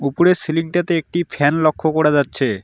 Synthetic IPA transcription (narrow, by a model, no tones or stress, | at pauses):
upuɾeɾsiliŋʈat̪eek̚ʈifʰɛnlokʰːokoɾad͡ʑatːɕʰe